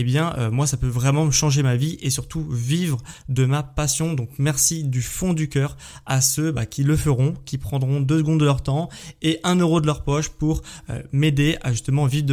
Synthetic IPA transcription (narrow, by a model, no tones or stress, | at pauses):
ebjɛ̃ʔømwasapøvʁɛmɑ̃əʃɑ̃ʒemaviʔesyʁt̪uvivʁd̪əmapasjɔ̃d̪ɔ̃kmɛʁsid̪yfɔ̃d̪ykʲœːʁ | asøbakʲiləfəʁɔ̃kʲipχɑ̃d̪ʁɔ̃d̪øsəɡɔ̃d̪ːəlœʁt̪ɑ̃eʔɛ̃nøʁod̪əlœʁpɔʃpuʁø̰med̪eaʒyst̪əmɑ̃vivd̪ə